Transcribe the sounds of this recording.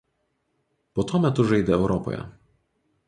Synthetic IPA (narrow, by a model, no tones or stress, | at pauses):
poːt̪uɔmʲɛt̪ʊʒɐɪd̪ʲɛɛʊɾɔpɔ̰jɛ̰